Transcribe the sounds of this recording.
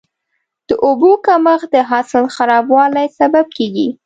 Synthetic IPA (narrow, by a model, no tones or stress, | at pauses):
d̪̥əʔobokaməxd̪əɦasɪlxaɾɑbwɑlajsabab̚keɡi